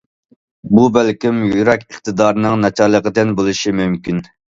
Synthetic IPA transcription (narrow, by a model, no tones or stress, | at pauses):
bubælkʲimjyɾɛkʲəχt̪ɨd̪ɑɾnɨŋnɛt͡ʃʰɑɾlˠəqəd̪ɪnbolˠɨʃimymkʲin